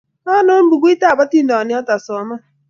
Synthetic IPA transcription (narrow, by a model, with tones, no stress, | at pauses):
a˦nʊ˦m̩˦bu˨ɡʷu˦i˦ta˦a˨ba˦ti˦n̩˦dɔ˨nɪ˦ɔ˦ta˨sɔ˨ma˦